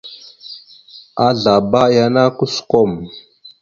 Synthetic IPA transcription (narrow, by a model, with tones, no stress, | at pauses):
a˦ɮa˨ba˦ja˦na˦ku˦su̥˨ko˦˨m